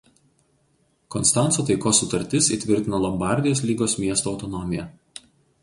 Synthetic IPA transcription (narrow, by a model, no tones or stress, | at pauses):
kɔnst̪ɑˑnt̪soːt̪ɐɪkoːsːʊt̪ɐɾʲt̪ʲɪsiːt̪ʲʋʲɪɾʲt̪ʲɪnɐlˠɔmbɑˑɾʲd̪ʲɪjoːs̬lʲiːɡoːsmʲiɛst̪oːʊt̪ɔnɔmʲɪjɛ